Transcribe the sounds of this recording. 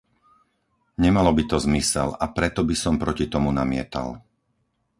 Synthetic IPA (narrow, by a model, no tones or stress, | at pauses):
ɲɛmalɔbit̪ɔzmisɛ̰lapɾɛt̪ɔbisɔmpɾɔcit̪ɔmunamɪɛ̰t̪a̰l